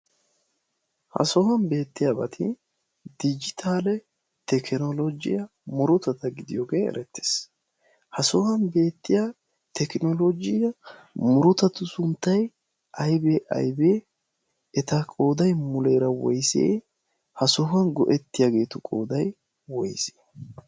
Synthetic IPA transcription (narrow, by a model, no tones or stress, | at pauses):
hɐ̰sɔhɐnbe̞ːt̪ːɪjabɐt̪ʰɪ | d̪ɪd͡ʒɪt̪ʰaːlɛ | t̪ɛkɪnɔlɔd͡ʒɪ̰jɐ | mʊɾʊt̪ɐt̪ɐɡɪd̪ɪjoːɡeːɛ̰ɾʔɛt̪ːe̥ːs | hɐsɔhɐnbe̞ːt̪ːɪja | t̪ʰɛknɔlod͡ʒɪjɐ | mʊɾʊt̪ɐt̪ʊsʊnt̪ːɐj | ʔɐjbeːʔɐ̰jbeː | ɛt̪ɐkʼo̞ːd̪ɐjmʊleːɾɐwɔ̰jsḛː | hɐsɔɦɐnɡɔ̰ʔɛt̪ːɪjaɡe̞ːt̪ʊkʼo̞̰ːd̪ɐj | wɔjse̥ː